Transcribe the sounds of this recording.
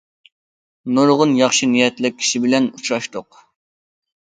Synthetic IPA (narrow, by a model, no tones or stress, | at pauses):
nuɾʁʊnjɑχʃinijɛt̪lɪk̚ʲʰi̥ʃibɪlɛnut͡ʃʰɾɑʃt̪ʊq